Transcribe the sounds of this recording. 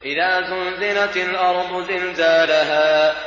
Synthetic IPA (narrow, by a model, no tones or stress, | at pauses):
ʔɪðaːzʊnzɪlaalʔɑɾˤd̪ˤʊzɪnzaːlaɦaː